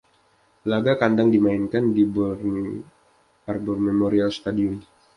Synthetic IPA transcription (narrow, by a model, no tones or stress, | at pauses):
laɡakandaŋdimainkandibɔrn | arbɔrmemoɾialst̪adiun